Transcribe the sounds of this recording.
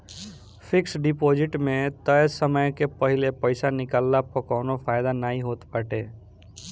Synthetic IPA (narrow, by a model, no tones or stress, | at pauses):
pʰɪksɖɪpod͡ʒɪʈmẽt̪əjsəməjkepəɦɪlepəɪsanɪkalːapəkɔːnopʰaːjd̪anaːɦĩɦoːt̪pəʈe